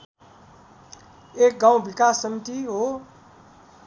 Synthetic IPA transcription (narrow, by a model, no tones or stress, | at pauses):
ek̚ɡãw̃bikasːəmit̪iɦo